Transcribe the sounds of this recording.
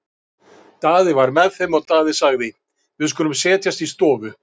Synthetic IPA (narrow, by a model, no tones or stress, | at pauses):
t̪aːðɪvaɾmɛðθɛmaɔɣt̪aːðɪsaɣðɪ | vɪðkʏnʏmsɛːt̪jast̪ist̪ɔːvʏ